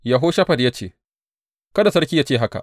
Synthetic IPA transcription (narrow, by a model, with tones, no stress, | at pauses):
ja˨ɦoː˦ʃɐ˦ɸɐ˨djaː˦t͡ʃeː˨ | kɐ˦da˨sɐ˦ɽkʲi˦ja˦t͡ʃeː˦˨ɦa˦ka̰˨ʔ